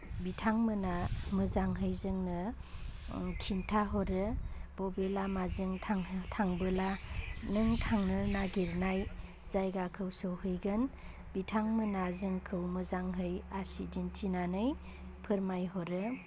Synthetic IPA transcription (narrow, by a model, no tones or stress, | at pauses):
bitʰaŋmɯnamɯzaŋɦɯjzɯŋnɯ | kʰintʰaɦɔɾɯb̥ɔbelamazɯŋtʰaŋtʰaŋbɯlanɯŋtʰaŋnɯnaɡiɾnaj | z̥ajɡakʰɯwsɯwhɯjɡɯn | bitʰaŋmɯnazɯŋkʰɯwmɯzaŋɦɯjasidintʰinanɯj | pʰɯɾmajɦɔɾɯ